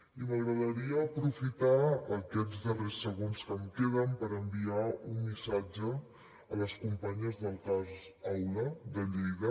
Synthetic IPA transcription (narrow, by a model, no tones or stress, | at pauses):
iməɣɾəðəɾiəːpɾufit̪aəkɛzðəresːəɣonskəmkeβəmpəɾəmbiaunmisad͡ʒəː | ləskumpaɲəzðəlˠkazawləd̪əʎejɣə